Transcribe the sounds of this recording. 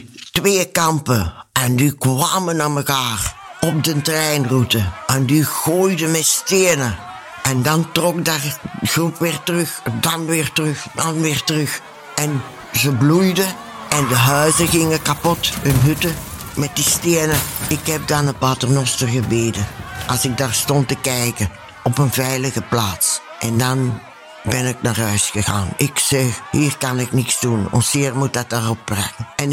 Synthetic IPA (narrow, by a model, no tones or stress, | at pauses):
tʋeːkɑmpəɛndikwʋaːmənaməkaːrɔb̚dəntrɛjnrutəʔɛndiɣoːjdəmɛsteːnə | ɛndɑntrɔk̚darɣrupʋɪːrtərɵxdɑnʋɪːrtərɵxdɑnʋɪːrtərɵx | ɛn | zəblujdə | ɛndəɦœɥzəɣɪŋəkapɔthɵnɦʉtə | mɛt̚disteːnəɪkɦɛp̚dɑnəpaːtərnɔstərɣəbeːdəʔɑlˠsɪɡ̚daːrstɔntəkɛjkə | ɔpənvɛjləɣəplaːts | ʔɛndɑn | bɛnɪk̚naːrɦœɥsxəɣa̰ːnɪksɛxhiːrkɑnɪknɪksdunɔ̰nsɪːrmut̚dɑt̚daːrɔp̚ːrɛ̰kənɛn